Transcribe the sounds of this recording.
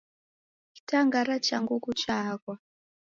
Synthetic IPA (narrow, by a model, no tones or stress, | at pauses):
ki̥taŋɡaɾat͡ʃaŋɡukut͡ʃakwa